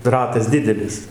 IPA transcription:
ˈrɑːtɐs ˈdʲɪdʲɛlʲɪs

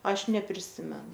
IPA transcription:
ˈɐʃ nʲɛpʲrʲɪˈsʲɪmʲɛnʊ

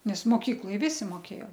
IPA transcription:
nʲɛs moːˈkʲiːklˠoːj ˈʋʲɪsʲɪ moːˈkʲeːjoː

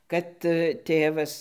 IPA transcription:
kɐt ˈtʲeːʋɐs

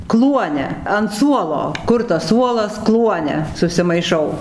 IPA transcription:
ˈklˠuɔnʲɛ ɐn ˈsuɔlˠoː ˈkʊr tɐs ˈsuɔlˠɐs ˈklˠuɔnʲɛ sʊsʲɪmɐɪˈʃɐʊ

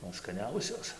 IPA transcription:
ˈmɐn skɐˈnʲɛʊsʲoːs

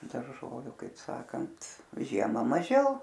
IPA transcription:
dɐrˈʒoːʋʲʊ kɐɪp ˈsɑːkɐnt ˈʒʲiɛmɐ mɐˈʒʲɛʊ

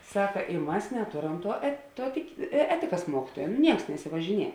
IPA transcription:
ˈsɑːkɐ ɪ ˈmɐs nʲɛˈtoːˌrɐm tuɔ ɛt ˈtuɔ tʲɪkʲɪ ˈæːtʲɪkɐs ˈmuɔkʲɪtuɔjɛ nʊ ˈnʲiɛks nʲɛsʲɪʋɐʒʲɪˈnʲiɛ

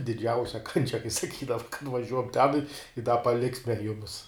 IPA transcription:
dʲɪˈd͡ʒʲɛʊsʲɛ kɐnʲˈt͡ʃʲɛ kɐɪ sɐˈkʲiːdɐʋɐ nʊʋɐˈʒʲuɔk tʲɛn ɪ ɪ dɐ pɐˈlʲɪksʲmʲɛ ˈjʊmʲɪs

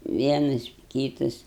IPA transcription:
ˈʋʲiɛnɐs ˈkʲiːtɐs

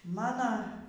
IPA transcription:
ˈmɑːnɐ

